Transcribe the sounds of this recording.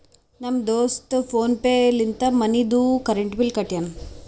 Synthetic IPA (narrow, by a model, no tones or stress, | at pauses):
nɐmd̪oːsʈ̪pʰoːnpeːlint̪ɐmɐnid̪ukɐɾeɳʈbilkɐʈjɐn